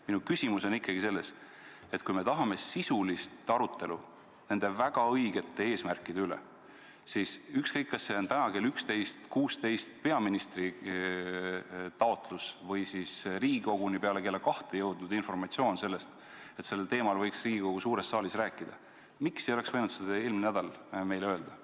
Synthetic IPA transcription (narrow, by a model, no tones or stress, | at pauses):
minukysimuso̞nikːˑɑɡ̥ise̞lːe̞s | e̞t̪kujme̞t̪ɑɦɑme̞sisulist̪ɑɾut̪ːe̞lu | ne̞nd̪̥e̞væɡ̥ɑɤjɡ̥e̞t̪ːˑe̞e̞ːsmærkːˑid̪eylḛ | sisykskɤjkːɑsːe̞o̞nt̪ænɑkelykst̪e̞jst̪kuːst̪e̞jst̪pe̞ɑminist̪ri | t̪ɑo̞t̪ˑlusvɤjsisriːɡiko̞ɡ̥unipeɑle̞ke̞lːekɑht̪ejɤwd̪̥nud̪info̞rmɑt̪sio̞ːnse̞lːe̞st̪ | e̞t̪se̞lːelt̪e̞ːmɑlvɤjksriːɡiko̞ɡ̥usuːɾe̞sːɑːlisræːkˑːid̪̥ɑ | miksejole̞ksvɤjnut̪sed̪̥ɑe̞ːlminnæd̪̥ɑlme̞jløe̞ld̪̥ɑ